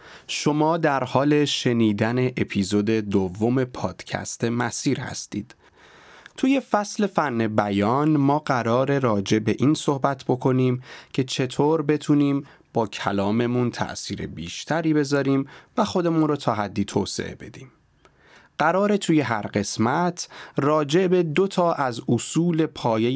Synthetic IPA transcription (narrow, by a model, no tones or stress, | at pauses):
ʃo̞mɒːd̪æɾhɒːle̞ʃe̞niːd̪æne̞ʔepʰiːzod̪e̞d̪ovːo̞me̞pʰɒːd̪̥cʰæ̰st̪ʰe̞mæsiːɾhæ̰st̪ḭːd̪̥ | t̪ʰuːje̞fæsle̞fænːe̞bæjɒːnmɒːɢæɾɒːɾe̞ɾɒːd͡ʒe̞be̞ʔiːnso̞hbæt̪ʰbo̞kʰo̞niːmcʰe̞t͡ʃʰe̞t̪ʰoːɾbe̞t̪ʰuːniːm | b̥ɒːcʰæ̰lɒːme̞munt̪ʰæ̰ʔsiːɾḛbiːʃt̪ʰæɾiːbe̞zɒːɾiːmvæxo̞d̪e̞muːnrɔːt̪ʰɒːɦæd̪ːiːt̪ʰoːsḛʔḛbe̞d̪iːm | ɢ̥æɾɒːɾe̞t̪ʰuːje̞ɦæɾɢe̞smæt̪ʰrɒːd͡ʒe̞be̞d̪o̞t̪ʰɒːʔæzosuːle̞pʰɒːje